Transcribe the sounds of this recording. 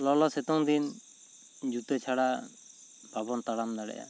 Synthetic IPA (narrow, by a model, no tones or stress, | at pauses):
lɔlɔsɛt̪ɔŋd̪in | d͡ʒut̪ɛt͡ʃʰaɽa | bʱabɔnt̪aɽamd̪aɽɛ̰ja̰